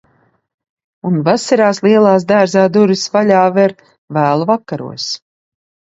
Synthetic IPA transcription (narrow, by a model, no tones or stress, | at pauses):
unvasaɾaːslˠiɛlˠaːs̬d̪æːɾzaːd̪uɾisvaʎʲaːvɛɾ | væːlˠuvakːaɾṵɔs